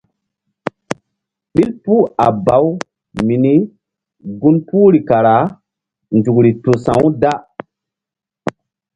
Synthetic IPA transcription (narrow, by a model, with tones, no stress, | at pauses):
ɓi˦lpu˦a̰˨ba˨˦w | mi˨ni˦ | ɡu˦npuː˦ɾi˨ka˨ɾa˨˦ | nd͡ʒu˨kɾi˨to˨sã˨wda˦